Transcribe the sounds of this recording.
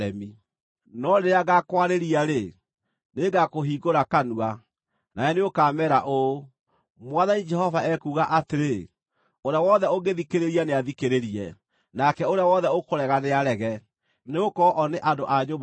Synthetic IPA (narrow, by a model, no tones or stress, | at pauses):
ɛmi | nɔneaɣakwaɾeɾiaɾe | neɡakoɦiːɣoɾakanua | naɛneokaːmɛɾaʔo | mwaðaɲid͡ʒɛɦɔvaɛkuːɣaʔateɾe | oɾjawɔðɛoɡeðikeɾeɾianeaðikeɾeɾiɛ̰ | nakɛoɾeawɔðɛokoɾɛɣaneaɾɛɣɛ | neokɔʔɔneʔadoʔaɲom